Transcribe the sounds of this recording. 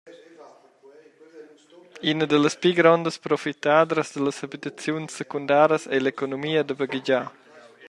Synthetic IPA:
inəd̪ələspiɡɾɔnd̪əspɾofit̪ad̪ɾəzd̪ələsabit̪ɐt͡sjunsːəkund̪aːɾəsɛlekonomiːɐd̪əbəɡid͡ʒa

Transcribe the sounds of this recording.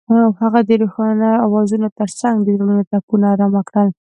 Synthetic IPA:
ahaɣad̪əɾuxɑnaawɑzunot̪əɾsaŋɡd̪əzolunot̪apunaɾamakɽəl

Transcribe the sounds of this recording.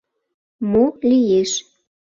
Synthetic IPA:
molijeʃ

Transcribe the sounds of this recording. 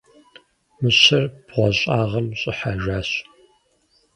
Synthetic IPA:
mɨɕɐrb̥ʁʷɔɕʼaːʁɐmɕʼɪħaːʒaːɕ

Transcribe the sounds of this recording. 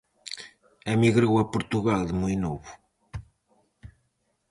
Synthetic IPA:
ɐmiɣɾowɐpuɾt̪uɣalˠd̪ɨmũjnoβu

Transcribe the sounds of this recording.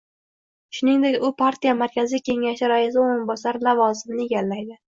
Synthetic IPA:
ʃʊnɪŋd̪ekʲʊpʰaɾt̪ʰijamaɾkʲʰazikʲʰe̞ŋaʃɪɾajɪzɪoɾɪnmbɒsaɾlavɒzɪmnɪeɡʲalːajd̪ɪ

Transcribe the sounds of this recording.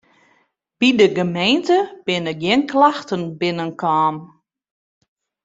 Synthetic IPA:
b̥idəɡəmejntəb̥ɪnəɡ̚ɡjɪnklaxtənbɪnənkʰaːn

